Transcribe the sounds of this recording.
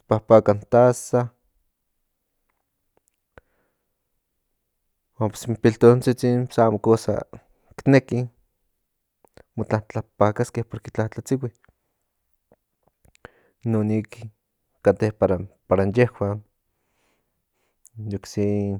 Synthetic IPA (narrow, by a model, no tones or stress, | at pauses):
pahpakant̪asa | wampe̥simpilt̪ont͡sit͡sinsaamokosa̰ | kneki | mot͡ɬat͡ɬapakaskehpoɾket͡ɬaht͡ɬat͡siwi | noniki | kat̪ehpaɾapaɾanjehwan | joksin